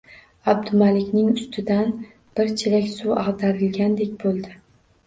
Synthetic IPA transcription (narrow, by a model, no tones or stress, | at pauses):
ab̚d̪ʊmalɪkʲnɪŋʊst̪ʰɪd̪an | b̥ɪɾt͡ʃʰɪlakʲsuɑʁd̪aɾɪlɡʲand̪e̞kʲbolˠd̪ɪ